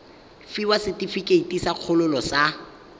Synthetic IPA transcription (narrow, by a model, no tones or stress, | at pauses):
fiwasɪtifikʼeitʼisaq͡χʰʊlʊlɔsa